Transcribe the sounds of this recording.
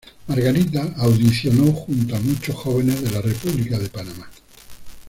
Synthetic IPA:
maɾɣaɾit̪aːwðiθjo̞noxunt̪oamut͡ʃosxo̞β̞e̞nezðe̞lare̞puβlikaðe̞panama

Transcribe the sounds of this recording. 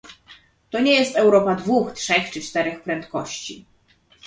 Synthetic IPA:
t̪ɔɲejɛst̪ɛwɾɔpad̪vuxtʂɛxt͡ʂɘt͡ʂt̪ɛɾɛxpɾɛnt̪kɔɕt͡ɕḭ

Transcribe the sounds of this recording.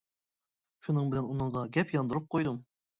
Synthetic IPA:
ʃunɨŋbɪlɛnunɨɴʁɑɡʲɛpjɑnd̪uɾup̚qʰojd̪um

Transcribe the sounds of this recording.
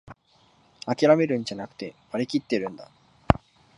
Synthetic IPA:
akʲiɾame̞ɾɯ̟̃ɲ̟d͡ʑanakɯ̟̥t̪e̞baɾʲikʲit̪ːe̞ɾɯ̟̃nd̪a

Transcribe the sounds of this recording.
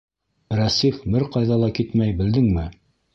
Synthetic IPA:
ɾæsifbɘɾqɑjðɑlˠɑkit̪mæjbɘ̆ld̪ɘŋmɘ

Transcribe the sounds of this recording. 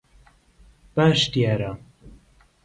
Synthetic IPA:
b̥aːʃt̪jaːɾa

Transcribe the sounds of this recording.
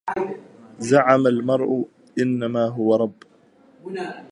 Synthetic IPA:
zaʕamalmɑɾˤʔʊ | ʔɪnːamaːɦʊwaɾˤɑbː

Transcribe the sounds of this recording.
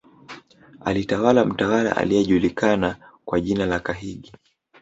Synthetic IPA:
a̰litawalam̩tawala̰ʔa̰liɛʄulikanakwaʄinalakaɦiɠi

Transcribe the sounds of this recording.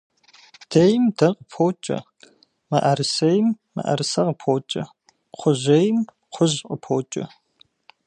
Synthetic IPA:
d̥ejmdɐqəpʰoːt͡ʃʼɐ̰ | mɐʔɐɾɨsɐjmːɐ̰ʔɐ̰ɾɨsɐqəpʰoːt͡ʃʼɐ | qʷʰʊʑʷejm | qʷʰʊʑqʼəpʰoːt͡ʃʼɐ̰

